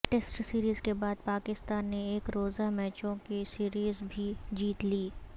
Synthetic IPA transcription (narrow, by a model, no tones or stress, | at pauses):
ʈesʈsiːɾiːzkebaːd̪̚paːkɪst̪aːnːeeːkɾoːzamɛːt͡ʃõkisiːɾiːzbʱid͡ʒiːt̪liː